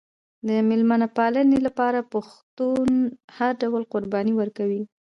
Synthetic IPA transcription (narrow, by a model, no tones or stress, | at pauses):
d̪əmɪlmanapɑlənelapɑɾapaxt̪unhaɾɖawəlqʊɾbɑniwəɾkawi